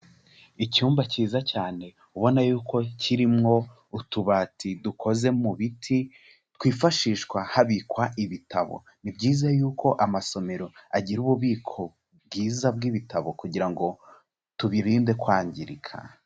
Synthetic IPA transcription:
icuːmbaciːzacaːne̞ | uβo̞najuːko̞cʰiɾimŋo̞ | utuβaːtʰidukʰo̞ze̞muβitʰi | tkwiːfaʃiːʃkwahaβikwaʔiβitaβo̞̰ | nibɟiːzajuːkʰo̞ʔamaso̞me̞ɾo̞aɟiɾuβuβiːkʰo̞ | b̚ɡiːzab̚ɡiβitʰaβo̞kuɟiɾaŋɡo̞ | tuβiɾiːnde̞kwaːɲɟiɾikʰa̰

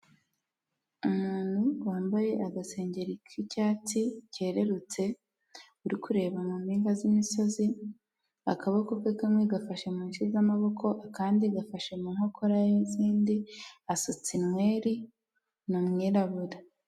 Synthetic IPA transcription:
umuːn̥huwaːmbaje̞ʔaɡase̞ːɲɟe̞ɾikʰicaːtice̞ːɾe̞ɾut͡se̞ | uɾikuɾe̞ːβamumiːŋɡazimiso̞zi | akʰaβakokwekamweɡafaʃemuːnʃizamaβo̞kʰo̞ʔakaːndiɡafaʃemunhokʰoɾajeziːndiasot͡sinŋwe̞ːɾi | numŋiːɾaβuɾa

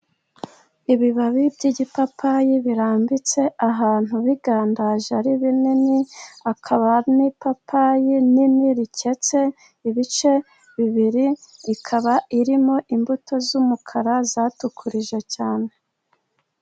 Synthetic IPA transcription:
iβiβaβibɟiɟipapʰajiβiɾaːmbit͡se̞ʔaɦaːn̥huβiɡaːndaʒaɾiβininiakʰaβanipapʰajininiɾice̞t͡se̞ | iβit͡ʃe̞ | βiβiɾiːkʰaβaiɾimo̞ʔimbutʰo̞zumukʰaɾazaːtukʰuɾiʒe̞caːne̞

